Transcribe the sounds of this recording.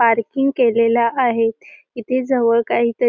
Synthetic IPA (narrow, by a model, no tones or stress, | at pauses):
paɾkiŋɡkelelaʔːɦet̪ | it̪ʰed͡zəʋəɭkaɦiːt̪ə